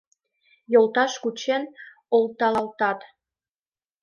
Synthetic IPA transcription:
jolˠt̪ɑʃkut͡ɕen | olˠt̪ɑlɑlt̪ɑt̪

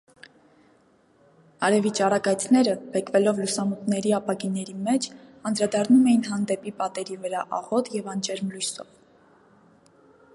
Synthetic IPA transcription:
ɑɾɛvit͡ʃɑrɑɡɑjt͡sʰnɛɾəbɛkʰvɛlɔvlusɑmut̪nɛɾiɑpɑɡinɛɾimɛt͡ʃʰɑnd̪ɾɑd̪ɑrnumɛjinɦɑnd̪ɛpipɑt̪ɛɾivəɾɑʔɑ̰ʁɔt̪jɛvɑnt͡ʃʰɛɾmlujsɔ̰v

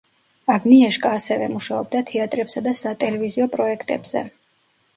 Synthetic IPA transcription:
aɡniɛʃkʼaːsɛvɛmuʃaɔb̚d̪at̪ʰɛat̪ʼɾɛpsad̪asat̪ʼɛlɛviziɔpʼɾɔɛkʰt̪ʼɛ̰bz̥ɛ̰

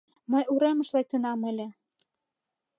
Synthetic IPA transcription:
mə̆juɾemə̆ʃlek̚t̪ə̆nɑmĕlʲĕ

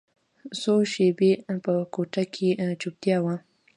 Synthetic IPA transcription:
soʃebepəkoʈakʰet͡ʃup̚t̪jɑwa

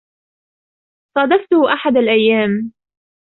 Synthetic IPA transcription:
sˤɑd̪ɑft̪ʊhʔaħad̪alʔajːaːm

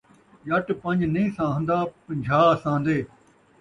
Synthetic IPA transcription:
jɐʈpɐ̃ɲd͡ʒnĩːsãːɦə̃nd̪aːpə̃ɲd͡ʒʱaːsãːnd̪eː

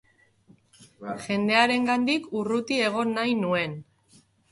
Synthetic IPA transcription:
ʝe̞nd̪e̞aɾe̞ŋɡand̪ikurut̪ie̞ɣ̞o̞nːajnue̞n

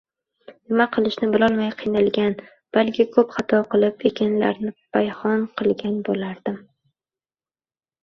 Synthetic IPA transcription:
nɪmaqʰɨlˠɪʃnɪbɪlɒlˠmajqʰɨjnalˠɡʲan | b̥alˠkʲʰɪkʰɵpχɑt̪ʰɒqɨlˠɪpekʲʰanla̰ɾnɪbʰajhɒnqʰɨlˠɡʲanbolaɾd̪̥ɪm

